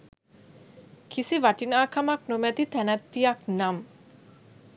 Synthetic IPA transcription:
kʰisiʋaʈinaːkʰamaknomɛt̪it̪ænat̪ːijaknam

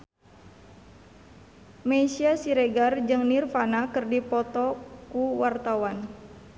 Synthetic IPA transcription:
meisiasiɾeɡard͡ʒɨŋnirfanakɨrdipɔt̪ɔkuwart̪awan

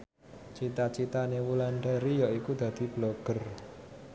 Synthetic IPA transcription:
t͡ʃit̪at͡ʃit̪anewulaɳɖaɾijɔikud̪̥ä̤d̪̥i̤b̥loɡ̥ər

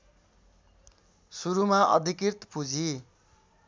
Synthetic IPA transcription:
suɾumaʔʌ̰d̪ʱikɾirt̪pud͡zʱi

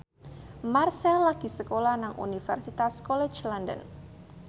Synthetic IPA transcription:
marsɛlaɡ̥isəkolahnaŋṵnifɛrsit̪askɔlɛt͡ʃlandə̰n

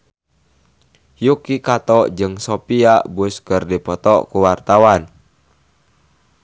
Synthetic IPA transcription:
jukikat̪ɔʔd͡ʒɨŋsopiaʔbʊskərdipɔt̪ɔʔkuwart̪awan

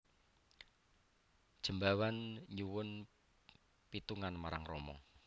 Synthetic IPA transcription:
d̥ʒ̥ə̤mbawanɲuwʊn | pit̪uŋanmaɾaŋromɔ̰

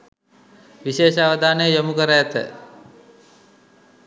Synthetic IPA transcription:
ʋiʃeːʃaʋəd̪ʱaːnəjəjomukəɾəːt̪ə̰

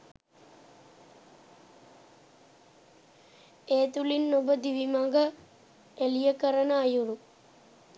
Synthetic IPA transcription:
eːt̪ulinːobəd̪iʋimaŋɡə | elijəkəɾənəːjuɾu

